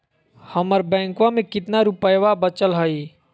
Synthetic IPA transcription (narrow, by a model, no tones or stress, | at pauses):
həməɾbɛ̃ːŋkwãmẽkɪt̪naɾupəjʋabət͡ʃəlɦəi